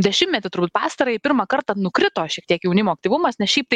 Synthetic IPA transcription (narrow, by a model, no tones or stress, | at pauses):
d̪ʲɛʃʲɪmmʲɛt̪ʲɪt̪ʊɾbuːt̪̚pɑːst̪ɐɾɐɪpʲɪɾmɐkɐrt̪ɐnʊkɾʲɪt̪oːʃʲiɛkt̪ʲiɛkjɛʊnʲɪmoːk̚t̪ʲiːʋʊmɐsnʲɛsʃʲɛɪp̚t̪ɐɪ